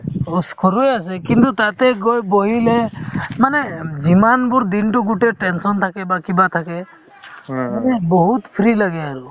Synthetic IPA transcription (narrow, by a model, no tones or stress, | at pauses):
ɔskʰɔɾujasɛkint̪ut̪at̪ɛɡɔjbɔɦilemaned͡ʒimanbuɾd̪inʈuɡuʈeʈɛnsɔnt̪ʰakɛbakibat̪ʰakɛ | manɛbɔɦut̪pʰɾiləɡɛaɾu